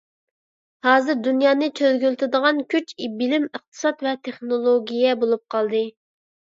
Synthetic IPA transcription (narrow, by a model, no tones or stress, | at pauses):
hɑːzɨɾd̪unjɑːnɨt͡ʃʰølɡʲylt̪ʰɪd̪əʁɑnkʲʰyt͡ʃibɪlɪməχt̪ʰɨ̥sɑt̪vɛt̪ʰeχnolˠoɡʲijɛbolˠup̚qʰɑlˠd̪ɨ